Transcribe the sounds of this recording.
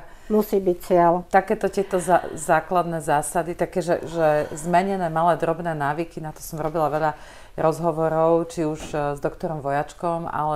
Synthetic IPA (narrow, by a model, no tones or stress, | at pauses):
musiːbict͡sɪɛlt̪akɛːt̪ɔcɪɛt̪ɔzazaːklad̪nɛːzaːsad̪it̪akɛːʒɛ̰ʒɛzmɛɲɛnɛːmalɛːd̪ɾɔbnɛːnaːʋikinat̪ɔ̥sɔmɾɔbilaʋɛʎa | ɾɔzɦɔʋɔɾɔʊt͡ʃiuʒzd̪ɔkt̪ɔɾɔmʋɔjat͡ʃkɔma̰lɛ